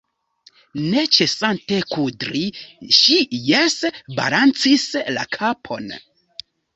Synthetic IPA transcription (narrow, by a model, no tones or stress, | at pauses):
ne̞t͡ʃe̞sante̞kudɾiʃijesba̰lant͡sisla̰kʰapʰo̞̰n